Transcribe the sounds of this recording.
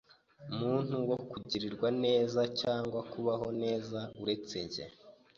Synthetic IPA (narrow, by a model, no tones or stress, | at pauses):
umuːn̥huwo̞kuɟiɾiɾɡwane̞ːzacaːŋɡwakuβaɦo̞ne̞ːzauɾe̞t͡se̞ɲɟḛ